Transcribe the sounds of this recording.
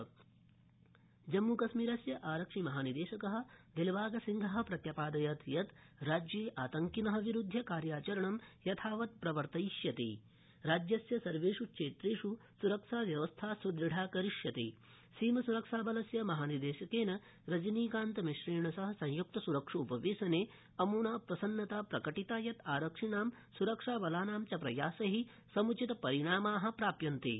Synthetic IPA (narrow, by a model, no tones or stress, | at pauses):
d͡ʒɐmːukɐsmiːɾɐsjɐʔaːɾɐkʂimɐɦaːnid̪eːʃɐkɐɦɐ̆d̪elʋaːɡɐsiŋɡʱɐɦɐ̆pɾɐt̪jɐpaːd̪ɐjɐt̪jɐt̪ɾaːd͡ʒjeːʔaːt̪ɐŋkinɐɦɐ̆ʋiɾud̪ʱːjɐkaːɾjaːt͡ʃɐɾɐɳɐmjɐt̪ʰaːʋɐt̪̚pɾɐʋɐɾt̪ɐjʃjɐt̪ḛː | ɾaːd͡ʒjɐsjɐsɐɾʋeːʂukʃeːt̪ɾeːʂusuɾɐkʂaːʋjɐʋɐst̪ʰaːsud̪ɾiɖʱaːkɐɾiʂjɐt̪ḛː | siːmɐsuɾɐkʂaːbɐlɐsjɐmɐɦaːnid̪eːʃɐkeːnɐ | ɾɐd͡ʒɐniːkaːnt̪ɐmiʃɾeːɳɐsɐɦɐsɐ̃ŋjuk̚t̪ɐsuɾɐkʂɐupɐʋeːsɐneː | ɐmuːnaːpɾɐsɐnːɐt̪aːpɾɐkɐʈit̪aːjɐt̪ʰaːɾɐkʂiɳaːm | suɾɐkʂaːʋɐlaːnaːmt͡ʃɐpɾɐ̰jaːsɐɦi | sɐmut͡ʃit̪ɐpɐɾiɳaːmaːɦɐ̆pɾaːpjɐnt̪ḛ